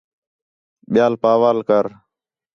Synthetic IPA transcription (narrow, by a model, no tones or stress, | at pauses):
ɓɪjaːlpaːʋaːlkəɾ